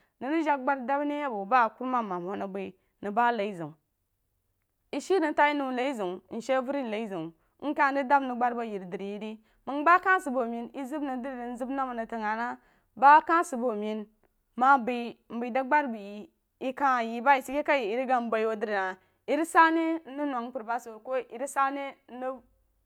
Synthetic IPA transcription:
ni˨ɾi˦ʒa˦k̚ɡ͡ba˦ɾda˦bni˦ja˦bo˨ba˦˨ku˦ɾma˦˨ma˨m˨ho˦na˨bi˨ | ni˨ba˦la˨i˦zi˨ | i˦ʃi˦ɾi˨n˦ta˦i˦nu˨la˨i˦zi˨ŋ˨n̩˨ʃe˦vu˦ɾi˦n˨la˨i˦zi˨˦ | n̩˦ka˦n˦di˦da˦bni˨ɡ͡ba˦ɾba˦˨ji˨ɾdi˨ɾji˦di˦ | mi˨ŋ˦ba˦ka˦si˨bo˨mi˨˦ni˦zi˦bni˨di˦ɾi˨di˨n˦zi˦bna˦mu˨na˨ta˨ŋa˨na˦ | ba˦ka˦si˨bo˨mi˨n | ma˦bi˨m̩˨bi˨da˦ɡ͡ba˦ɾbi˨ji˨ | i˦ka˦˨ji˨ba˦i˨si˦ke˦ka˦ji˨i˨ɾi˦ɡa˨m˦ba˨i˨wo˨di˦ɾi˨na˨ | i˨ɾi˦sa˦ne˦i˦na˨ŋ˦pu˨ɾba˦so˨ko˦i˨ɾi˦sa˦ne˦i˦

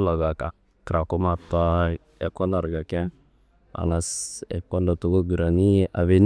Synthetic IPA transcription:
la˨ɡa˨ka˨ | kɾa˨ko˦ma˨ta˦ | ɛ˨kɔ˦na˨ɾɡa˨kɛ˦ | a̰˨la˦sɛ̰˨kɔ˦ndɔ˨tu˨ɡo˦ɡu˨ɾa˨ni˦ʔa˨βe˦n

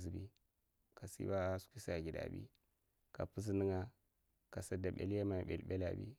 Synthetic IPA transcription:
zi˨bḭ˦ | ka˨sḭ˦ba˦su̥˦kʷi˦sa˨ɡʲi˨da̰˨bḭ˦ | ka˨pu˦z̬nɨ˦ŋa˦ | ka˨sa˦da˨ɓḛ˨lja˦ma˨ɓe˨lɓe˦la̰˨bḭ˦

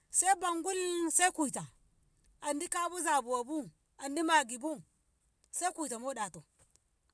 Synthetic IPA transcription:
se˦i˦ba˨ŋɡu˦lse˦i˦ku˨i˨ta˨ | a˨ndi˦ka˦bu˦za˨bu˨wa˨bu˦ | a˨ndi˦ma˨ɡi˨bu˦ | sa˦ku˨i˨ta˨mo˦ɗa˨to˨

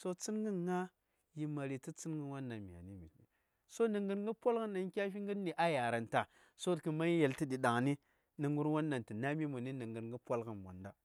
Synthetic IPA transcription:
so˦t͡si˦nɡə˦nŋa˦ | ji˦ma˨ɾi˨ti˦t͡si˦n˦ɡə˦wa˦nːa˨mi˨a̰˨ni˦mḭ˨ḭ˨ | so˦nə˨ŋɡə˦ɾŋɡə˦pʷa˦lkə˦nːa˨ŋ˦kʲa˦fi˦ŋɡə˦ni˨ʔa˦ja˨ɾa˨nta˨ | so˦tki˨ma˦ji˦je˨lti˦di˨ɗa˨ŋni˦ | ni˨ŋɡu˦ɾwa˦nːa˨nti˨na˦mi˦mu˨ni˦nə˨ŋɡə˨ɾŋɡə˦pʷa˦lɡə˨nmo̰˨nda˦

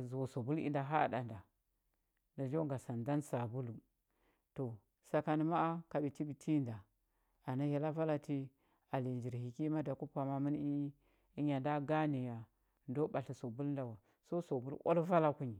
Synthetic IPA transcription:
zso˨bu˦lḭ˦nda˨ɦa˦˨da˨nda˨ | na˨d͡ʒo˦ŋ˦ɡa˨sa˨nda˦nsa˨bu˦lu˨ | to˨ | sa˨ka˨ni˨ma˦a˦ka˨bi˨ti˦bi˨tʰi˦nda˨ | a˨na˦ja˨la˦va˦la˨ti˦ | a˨li˨d͡ʒi˨ɾhi˨ki˦ma˦da˨ku˦pa˨ma˦mi˦n˦i˦ | i˦ɲa˨nda˦ɡa˦ni˨ja˨ | ndo˦ba˨ɬi˨so˨bu˦lnda˨wa˨ | so˦so˨bu˦lʔo̰˦lva˦la˦ku˦ɲi˨

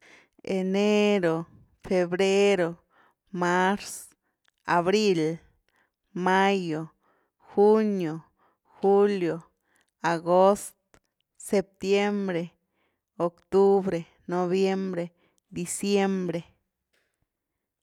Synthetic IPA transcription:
e˨ne˦ɾo˨ | fe˨bɾe˦ɾo˨ | ma˦ɾs | a˨βɾi˦l | ma˦jo˨ | xu˦njo˨ | xu˦ljo˨ | a˨ɡo˦st̪ | se˧p̚t̪je˦mbɾe˨ | o˨kt̪u˦bɾe˨ | no˨˧βje˦mbɾe˨ | d̪i˨sje˦mbɾe˨

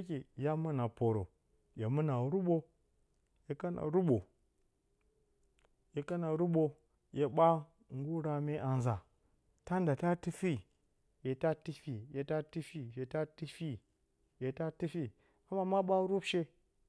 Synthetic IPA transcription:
ki˨ja˦mu˦na˨po˨ɾo̰˨ | je˨mu˦na˨˦ɾu˦ɓo˦ | je˨ka˦na̰˨ɾu˦ɓo˨ | je˨ka˦na˨ɾu˦ɓo˨ | je˨ɓa˦ | ŋ˦ɡu˦ɾa˨me˦ʔa˨n˨za˨ | ta˦n˦da˨ta˦tɨ˦fi˦ | je˨ta˦ti˦fi˨je˨ta˦ti˦fi˦je˨ta˦ti˦fi˦ | je˨ta˦ti˦fi˦ | a˦ma˦ma˦ɓa˦ɾu˦bʃe˦

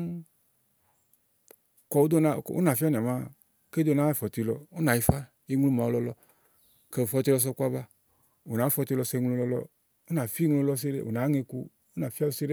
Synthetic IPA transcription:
kɔ˨wu˦d̪o˦na˧˨o̰˦na˨fi˦a˦ni˨ma˦ | ke˦d̪o˦na˨˦˨fɔ˨t̪i˧lɔ˧o˦na˨ji˧fa˦ | i˦ŋ˦lu˦ma˨wo˧lɔ˧lɔ˧ | ke˧˨fɔ˧t̪i˧lɔ˧s̬ɔ˧kʷa˦ba˧ | o˨naː˨˦fɔ˧t̪i˧lɔ˧sɛ˧i˧˦ŋlo˧lɔ˧lɔ̰˧ | o˦na˨fi˦ŋlo˧lɔ˧s̬i˦ɾḛ˦˨o̰˨na˨˦ŋe˧kṵ˧ | o˦na˨fi˦a˦˧u˧si˦ɾe˦

